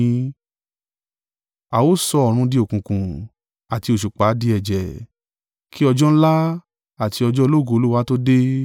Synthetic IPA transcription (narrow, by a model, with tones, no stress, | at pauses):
a˨wo˦sɔ˧ɔ˨ɾ̃ũ˧di˧˦o˦˨kũ˨kũ˨ | a˨ti˧o˨ʃu˨k͡pa˨˦di˧˦ɛ˨d͡ʒɛ˨ | ki˦ɔ˧d͡ʒɔ̃˦la˦ | a˦˨ti˧ɔ˧d͡ʒɔ˦˧lo˦˨ɡo˦˨o˧˦lu˦wa˦to˦de˦